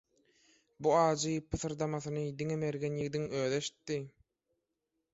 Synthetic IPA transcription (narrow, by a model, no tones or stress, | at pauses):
buɑːd͡ʒɯpʰɯθɯɾd̪ɑmɑθɯnɯd̪iŋeme̞ɾɡenjiɡd̪iŋøːðeʃi̥t̪ːi